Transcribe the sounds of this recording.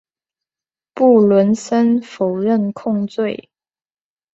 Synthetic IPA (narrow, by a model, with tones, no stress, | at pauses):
pu˥˩lwə˧˥nsə˥nfo˨˩ʊɻə˥˩nkʰʊ˥˧ŋt͡swe˥˩ɪ